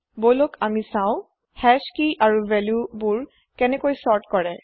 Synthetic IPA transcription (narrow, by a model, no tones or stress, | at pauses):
bojlokʰamisãʊ̃ | hɛskiʔaɹuvɛljubuɹ | kɛnɛkojsɔɹtkɔɹɛ